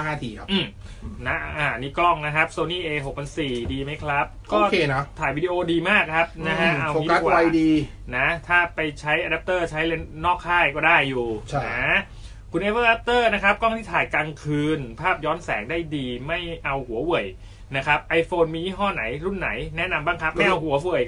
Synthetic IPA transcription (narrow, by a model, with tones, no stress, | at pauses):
haː˥˩t̪ʰiː˨˩a˦ʔɯː˨˩m | na˦˥ʔʔaː˨˩niː˦˥kɔ˥˩ŋna˦˥kʰa˦˥p̚soː˧niː˥˩ʔeː˧ɦo˨˩k̚pʰa˧nsiː˨˩diː˧ma˦˥jkʰɾa˦˥p̚kɔː˧˥˩kʰeː˧na˦˥t̪ʰaː˨˩jwiː˦˧˩diː˧ʔoː˧diː˧maː˥˩k̚ʰɾa˦˥p̚na˦˥ɦʰa˦˥˧ʔʔa˧wo˨i˦˥k̪ʰːa˦˥˩waː˧a˧jdiː˧ | na˦˥t̪ʰaː˥˩pa˧jt͡ɕʰa˦˥jʔa˧da˦˥p̚t̪ɤː˥˩t͡ɕʰa˦˥jle˧nːɔː˥˩k̚kʰːaː˥˩jkɔː˥˩daː˥˩jːuː˨˩t͡ɕʰna˦ | kʰu˧nʔeː˧˥pɤː˥˩ʔa˦˥p̚t̪ɤː˥˩na˦˥kʰɾa˦˥p̚kɔ˥˩ŋt̪ʰiː˥˩t̪ʰaː˨˩jkaː˧ŋkʰɯː˧npʰaː˥˩p̚jɔː˦˥nsɛː˩˦ŋdaː˥˩jdiː˧ma˥˩jʔa˧whu˩˦wu˨˩j | na˦˥kʰɾa˦˥p̚ʔa˧jfoː˧nmiː˧jiː˦˥˩ɦɔː˥˩na̰˩˦jɾu˥˩nːa̰˩˦jnɛ˦˥ʔna˧mbaː˥˩ŋkʰa˦˥p̚ma˥˩jʔa˧whu˨˩˦wu˨˩əj